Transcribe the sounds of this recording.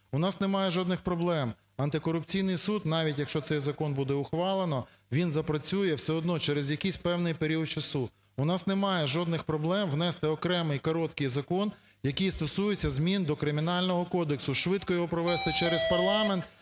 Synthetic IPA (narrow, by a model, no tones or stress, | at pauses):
ʊnɑsnemɑjɛʒɔd̪nɪxpɾɔblˠɛm | ɐnt̪ɪkɔɾʊpt͡sʲijnɪjsud̪nɑʋʲitʲjɐkʃt͡ʃɔsɛjzɐkɔnbud̪ɛʊxʋɑlˠenɔ | ʋʲinzɐpɾɐt͡sʲujɛwsɛɔd̪nɔt͡ʃɛɾezjɐkijsʲpɛwnɪjpeɾʲiɔt̪̚t͡ʃɐsu | ʊnɑsnemɑjɛʒɔd̪̚nɪxpɾɔblˠɛmʋnɛst̪ɪɔkɾɛmɪjkɔɾɔt̪kɪjzɐkɔn | jɐkijst̪ɔsujɪt͡sʲːɐzmʲind̪ɔkɾɪmʲinɑlʲnɔɦɔkɔd̪eksʊʃʋɪd̪kɔjɔɦɔpɾɔʋɛst̪ɪt͡ʃɛɾespɐrlˠɑment̪